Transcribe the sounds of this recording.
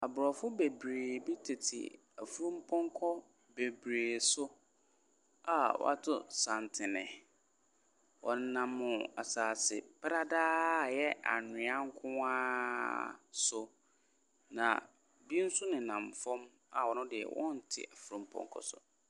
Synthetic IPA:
a˨bʊ˨ɾɔ˨fʊ˦be˨bɾeː˨bi˦tʰe˨tʰɪ̰˨ | æ˨fu˦ɾũ˦m̩˦pʰɔ̃˦ŋkʰɔ˦ | be˨bɾeː˨sʊ˦ | a˨wɔ̰˦a̰˦tʰʊ˦sã˨n˨tʰɪ˨nɪ̰̃˨ | wɔ˨n̩˦nã˦mːʊ̃˨a̰˨saː˨sɪ̰˨pa˦ɾa˦daː˦˨jɛ˦a̰˨nʊ̃˨ã˦ŋ̩˦kʰʊ̃˦aː˦ | sʊ˨ | nã̰˨ | bi˦n̩˦sʊ˦nɪ̃˨nã˨m˨fɔ̃˦m | a̰˨wɔ˨nʊ̃˦dɪ˨ɛ̰˨wʔɔ̰̃˦n̩˨tʰɪ̰˨a˨fu˦ɾũ˦m̩˦pʰɔ̰̃˦˨ŋkʰɔ̰˦˨sʊ̰˨

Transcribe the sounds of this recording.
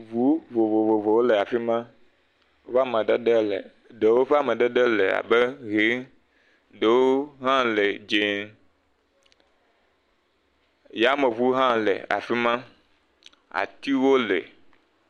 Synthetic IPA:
vu˨˦vo˨vo˨vo˨vo˨wo˦le˨a˨fi˦mã˦ | o˦ɸa˦mɛ̃˨ɖɛ˦ɖe˦lɛ̰˨ | ɖe˨wo˦ɸɛ˦a˦˨mɛ̃˨ɖɛ˦ɖɛ˦le˨a̰˨bɛ˦ɣe˨˦ | ɖe˨wo˦ɦã˦le˨d͡ʒe˨ | ja˨˦me˨vu˦ɦã˦lɛ̰˨a̰˨fi˦mã˦ | a̰˨t̪i˦wo˦le˨

